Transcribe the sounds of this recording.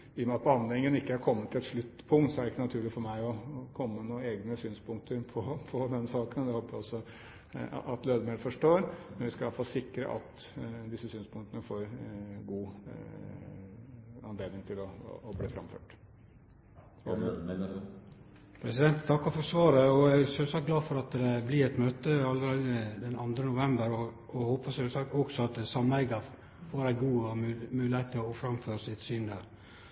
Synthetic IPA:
iːjɔmɛɑt̪̚pʰɔɑnleɪŋːənɪkːəæɾkʰɔmːət̪ʰːɪlɛt̪ʂɭʉt̪ːpʰʊŋkt̪sɔæɾɪkːənɑt̪ʰʉːɭɪfɔɾmæɪɔkʰɔmːənuːəeːɡnəsyːnspʊŋk̚t̪əɾpʰɔpʰɔd̪ɛnsɑːkənd̪ɛhoːpːəɾɔsːɔ̰ | ʔɑt̪løːd̪əmeːləfɔʂʈoːɾmɛnʋɪskɑɑlfɑːlsɪkːɾə̰ʔɑ̰t̪d̪ɪsːəsyːnspʊŋt̪ənəfoːɾɡuː | ɑnleːd̪nɪŋt̪ʰɪlɔ̰ɔblḭːfɾɑ̰mfø̰ːʈ | pʰɾɛsɪd̪ɛnt̪t̪ʰɑkːɑfɔsʋɑːɾəɔæsøːsɑk̚ɡlɑːfɔɾɑt̪d̪ɛblɪɛt̪møːt̪əɑlːəɾɛd̪ɛnɑnd̪ɾənʊʋɛmbəɾɔ | ɔhoːpəsøːsɑkt̪ɔɡsɔɑt̪̚d̪sɑmːənɛɡɑ | foːɾæɪɡuːmʉːlɪhæɪt̪ʰːɪlɔfɾɑmføːɾəsɪt̪syːnd̪æːɾ

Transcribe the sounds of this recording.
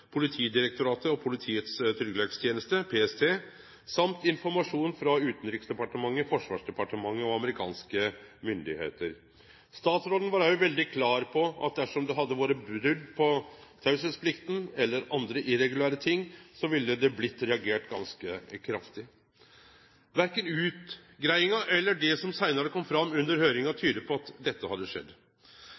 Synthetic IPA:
pʰʊlɪt̪ʰiːd̪ɪɾɛk̚t̪ʊɾɑːt̪əɔpʰʊlɪt̪ʰiːət̪st̪ʰʏɾɡəlɛɡst̪ʰjeːnəst̪əpʰeːɛst̪ʰeː | sɑmt̪ɪnfɔɾmɑʂuːnfɾɑʉːt̪n̩ɾɪksd̪ɛpɑʈəmɑŋːəfɔʂʋɑ̰ːʂɖ̪ɛpɑʈəmɑŋːəɔɑməɾɪkʰɑ̰ːnskəmʏnd̪ɪhḛːt̪əɾ | st̪ɑːt̪sɾoːd̪n̩ʋɑɾæɔʋɛld̪ɪkʰlɑːɾpʰɔʔɑ̰t̪̚d̪æʂɔmd̪ɛɦɑd̪ːəʋoːɾəbɾʏd̪pʰɔt̪ʰɑʉsəspʰlɪkt̪n̩ɛlːəɾɑnd̪ɾəʔɪɾɛɡʉlæːɾət̪ʰɪŋːsɔʋɪlːəd̪ɛblɪt̪ːɾɛɑɡeːʈɡɑ̰nskəkʰɾɑft̪ɪ | ʋæɾkənʉːt̪ɡɾæɪɪŋɑʔɛlːəɖɛsɔmsæɪnəɾəkʰɔmːfɾɑmːʉnd̪əɾhøːɾɪŋɑt̪ʰyːd̪əpʰɔɑt̪d̪ɛt̪ːəhɑd̪ːəʂɛ̰d̪ː

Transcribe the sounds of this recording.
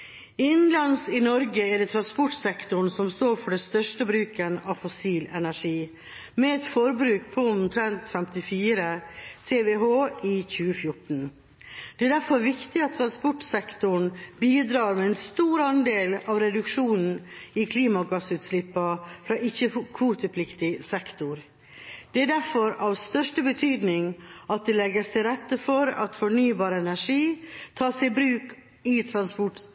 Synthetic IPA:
ɪnn̩lɑnsɪnɔɾɡəɛɖɛt̪ʰɾɑnspɔʈsɛkt̪ʊɳ̩sɔmst̪oːɾfɔɖɛst̪œʂʈəbɾʉːkənɑfɔsiːlɛnæʂiː | mɛɛt̪fɔɾbɾʉːk̚pʰɔʊmt̪ʰɾɛnt̪fɛmt̪ɪfiːɾət̪ʰeːʋeɦoːʔiːçʉːəfjʊʈɳ̩ | d̪̥ɛæd̪æɾfɔɾʋɪkt̪ɪɑt̪ːʰɾɑnspɔʈsɛkt̪ʊɳ̩biːd̪ɾɑːɾmɛɛnst̪uːɾɑnd̪eːlɑʋɾɛd̪ʉkʂuːnn̩ɪkʰliːmɑɡɑsʉːt̪slɪpːɑfɾɑːʔɪçəkʰʋuːt̪əpʰlɪkt̪ɪsɛkt̪ʊɾ | d̪̥ɛæɖæɾfɔɾɑʋst̪œʂʈəbət̪ʰyːd̪nɪŋɑt̪̚d̪ɛlɛɡəst̪ʰɪɾɛt̪ːəfɔɾɑ̰t̪fɔɳyːbɑːɾəɛnæʂiːt̪ʰɑːsɛɪbɾʉːk | ɪt̪ʰɾɑnspɔʈ

